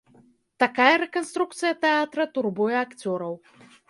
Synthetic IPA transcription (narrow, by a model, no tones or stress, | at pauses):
t̪akajɐɾɛkɔnst̪ɾuk̚t̪sɨjɐt̪ɛat̪ɾɐt̪urbujɛakt͡sʲɔɾɐw